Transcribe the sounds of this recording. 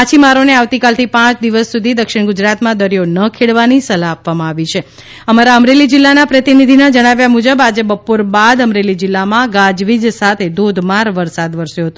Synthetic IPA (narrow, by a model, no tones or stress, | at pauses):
at͡ʃʰimaɾoneaʋt̪ikalt̪ʰipãt͡ʃd̪iʋəsːud̪ʱid̪əkʃɪɽ̃ɡud͡ʒɾat̪mãd̪əɾijonəkʰeɭʋanisəlaːpʋamãaʋit͡ʃʰe | əmaɾaəmɾelid͡ʒɪlːanapɾət̪inid̪ʱinad͡ʒəɽ̃aʋjamud͡ʒəbad͡ʒebəpoɾbad̪əmɾelid͡ʒɪlːamãɡad͡ʒʋid͡ʒsat̪ʰed̪ʱod̪ʱmaɾʋəɾsad̪ʋəɾsjoɦət̪o